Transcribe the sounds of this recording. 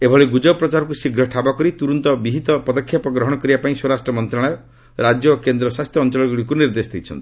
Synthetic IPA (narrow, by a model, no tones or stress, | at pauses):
ebʱɔɭeɡud͡ʒɔpːɾɔt͡ʃaɾɔk̬usiɡɾɔʈʰabɔkɔɾit̪uɾɔnt̪ɔbiɦit̪ɔpɔd̪ɔkʰːjapɔɡɾɔɦɔɽ̃ɔkɔɾibapaĩswoɾasʈɾɔmɔnt̪ɾaɭ̃ajɔ | ɾad͡ʒjɔːkend̪ɾɔswast̪ʰjɔːnt͡ʃɔlɔɡuɽikuniɾd̪esɔ̥d̪ʰʱit͡ʃʰɔ̰nt̪i̥